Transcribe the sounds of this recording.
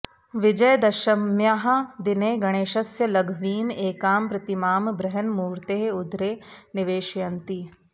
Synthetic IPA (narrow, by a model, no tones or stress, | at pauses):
ʋɪd͡ʒɐjd̪ɐʃɐmjaːɦɐd̪ɪneːɡɐɽ̃eːʃɐsjɐlɐɡʱʋiːmeːkaːmpɾɐt̪imaːmbɾɐɦənmuːɾt̪eːɦʊd̪ɾeːnɪʋeːʃjɐnt̪i